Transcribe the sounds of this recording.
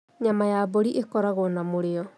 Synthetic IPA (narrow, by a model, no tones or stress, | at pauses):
ɲamajaboɾiʔekɔɾaɣonamoɾeɔ